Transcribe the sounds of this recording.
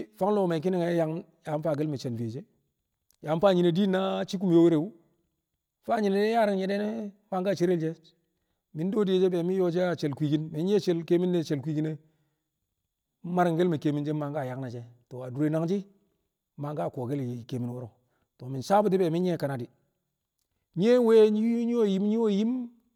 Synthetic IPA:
fa˦ŋlo˨me˨k̬i˦ni˦ŋe˦ja˦ŋ | ja˨˦m˦fa˦˨ɡe˦lme˨t͡ʃe˨nfe˨d͡ʒe˦ | ja˨˦m˦fa˦˨ɲi˨ne˨di˦nːa˦t͡ʃi˦k̬u˦mjo˦wi˦ɾe˨wu˦ | fa˦ɲi˨ne˨e˦ja˦ɾi˦ŋje˨de˦ne˦ma˦ŋɡa˦˨t͡ʃe˦ɾe˦ld͡ʒe˦ | mi˨n˦do˦di˦e˨d͡ʒe˦be˨mi˦jo˦d͡ʒe˦a˨t͡ʃe˨lkʷi˨ɡi˦nmi˨˦nje˦t͡ʃe˦lke˦mi˦nːe˨t͡ʃe˨lkʷi˦ɡi˦ne˦ | ma˦ɾi˨ŋɡe˦lme˨ke˨mi˨nd͡ʒe˦ma˨ŋɡa˦˨ja˨kna˨t͡ʃe˦to˨a˨du˨ɾe˨˦na˨ŋd͡ʒi˦ | ma˨ŋɡa˦˨ko˨ɡe˦li˨ke˨mi˨n˨wo˦ɾo˨ | to˨mi˨nsa˦bu˦t̬i˦be˨mi˦je˦˨ka˨na˨di˨ | ɲ˦e˦we˦i˦ɲi˦o˦˨ji˦m˦ɲi˦o˦˨ji˦m

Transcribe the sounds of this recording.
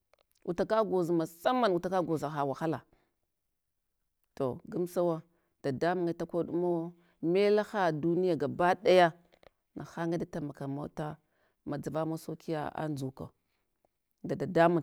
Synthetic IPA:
ʔu˨ta˨ka˦ɡo˨zma˨sa˦ma˦nu˨ta˨ka˦ɡo˨za˨xa˨wa˨xa˦la˨ | to˨ɡu˦msa˦wa˦ | d̥a˨da˦mu˦ŋa˨˦ta˦kʷo˦ɗu˦ma˦ | me˦la˦xa˦du˦ni˦ja˨ɡa˨ba˦ɗa˦ja˦ | na˨xa˦ŋɡa˦da˦ta˨ma˨ka˨ma̰˦ta˦ | ma˨d͡za˨va˦mo˦so˦ki˦ja̰˦a̰˦nd͡ʒu˨ka̰˨ | da˨da˨da˦mu˦˨

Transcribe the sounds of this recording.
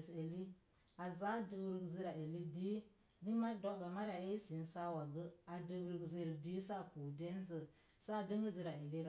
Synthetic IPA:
se˨li˦ | a˨za˦də˨wɾə˨ɡzi˦ɾa˨e˨li˦di˦ | di˦ma˦do˦ɡa˨ma˦ɾa˨e˦si˨n˦sa˦wa˨ɡə˦a˨də˨wɾə˨ɡzə˨ldi˦sa˦˨ku˨de˦n˦zə˨ | sa˦˨də˦ŋɡə˦zi˨ɾa˨e˨li˦ɾ

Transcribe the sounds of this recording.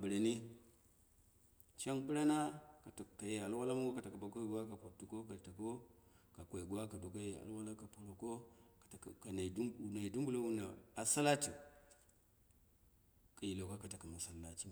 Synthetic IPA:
a˨bə˨ɾa˨ni˦ | t͡ʃa˦npi˦ɾa˦na˦ka˨ta˨kːa˨je˨a˨lwa˦la˦ma˦ŋɡo˦ka˨ta˨ka˨ba˨ko˦ɡu˦wa˦ka˨pa˨b̚tu˨ko˦ka˨ta˨ko˦ka˨kʷa˨i˨ɡu˦wa˦ka˨do˨ka˦je˨a̰˨lwa˦la˦ka˨po˨ɾo˨ko˦ka˨tka˨na˨dna˨i˨du˦mbu˦lo˦wu˦na˨a˨sa˦la˦ti˨ | ka˨ji˨lo˨ka˦ka˨ta˨ka˨ma˨sa˨lːa˨t͡ʃi˦˨

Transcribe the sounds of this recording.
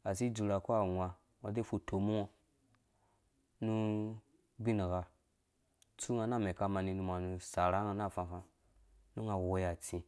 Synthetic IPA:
a˨s̬i˦d͡ʒu˧ɾa˨ko˦a˨ŋʷa˧ | ŋʷa˨de˦fu˧tʰo˨mu˦ŋo˧ | nu˧ | bi˦ni˨ɡa˧ | t͡su˦ŋa˧na˦˨me˨ka˧ma˧ni˧nu˧ma˨nu˧sa˨ɾa˨˦ŋa˧na˦˨fã˧fã˧ | nu˦ŋa˧˨wo˧ja˨t͡sĩ˧

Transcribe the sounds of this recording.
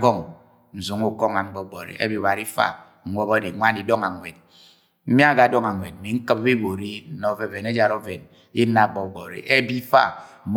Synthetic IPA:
ɡɔ˦˨ŋ | n̩˨su˨ŋu˦kɔ˦ŋa˨ŋ͡m̩˦ɡ͡bɔ˦ɡ͡bɔ˨ɾḭ˨ʔḛ˦bi˨ba˨ɾi˦fa̰˦ | ŋ̩˦ŋʷɔ˦ba˦de˨ŋʷa˦n˦di˨dɔ˦ŋa˨ŋwe˨d̚ | m̩˦mja˦˨ɡa˨dɔ˦ŋa˨ŋʷ˨e˨d̚m̩˨mi˨ŋ̩˦kɨ˦pbi˦bo˨ɾi˦n̩˦nɔ˦ve˦ve˨ne˦d͡ʒa˨ɾo˦ve˨n | i˦na˨ɡ͡bɔ˨ɡ͡bɔ˨ɾḭ˨ʔe˦bi˦fa̰˦˨m

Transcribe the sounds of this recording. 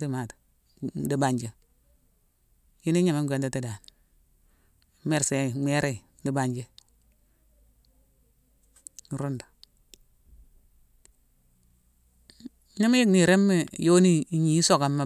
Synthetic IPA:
ti˦ma˨t | di˨ba˨ɲd͡ʒe˦ | ji˦ni˦ɲa˨me˦ŋ˦ɡʷe˨nda˨ti˦da˨n˨ | me˨ɾse˨me˦ɾe˦˨ | di˨ba˨ɲd͡ʒe˦ | n˨ɾu˦ndḁ˨ | ɲi˦m˦ji˦kni˨ɾe˦mːi˦jo˦ni˦˨ɲi˨˦so˦˨ka˨mːa˦

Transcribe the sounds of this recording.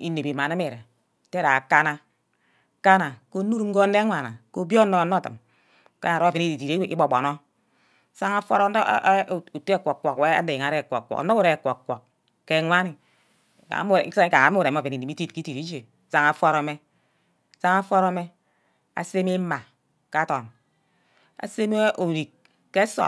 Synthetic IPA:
i˦ne˨bi˨ma˨na˦me˦˨ɾe˨ | te˦ɾa˨a˨ka˦na˦ | ka˦na˨ko˦nu˦ɾŋ̩˦ɡo˦n̩˦e˦ŋʷa˨na̰˨ko˦bjo˦no˦a˨no˦˨tɨ̰˨m˨ | ka̰˦na˨ɾo˦a˨e˨ni˦i˨ti˨ɾi˦i˦bo˨bo̰˨no˦ | sa˦ŋa˦fo˦ɾo˦˨u˨tkʷo˨kʷo˨kwe˦a̰˦de˨ji˨ŋa˨ɾe˦˨kʷo̰˨ko̰˨kno˦u˦ɾe˦˨kʷo˨kʷo˨kː | e˦ŋʷa˦ni˨ | a̰˨˦m˦˨˦ka˨a˨˦m˦˨ɾe˨˦˨ve˨ni˨di˨mi˦ti˦tki˦ti˨ti˦d͡ʒe˨sa˦ŋa˨fo˦ɾo˨˦me˦ | sa˦ŋa˦fʷo˦ɾo˦me˦ | a̰˨se˦mi˦ma˨ | ka˦to˨n | a̰˨se˦m˦o˨ɾi˨k | ke˦so̰˨

